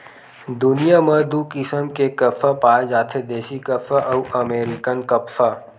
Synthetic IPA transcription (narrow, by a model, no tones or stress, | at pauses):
d̪ʊnijamɐɾd̪uːkɪsəmkekɐfʰapaːd͡ʒaːt̪ʰed̪eːʃikɐfʰaʔɐuʔɐmeːɾɪkənkɐpfa